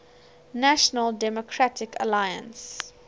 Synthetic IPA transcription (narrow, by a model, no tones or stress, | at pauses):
næʃənəldɛmɔkʰɹatʰɪkə̰lajə̰̃ns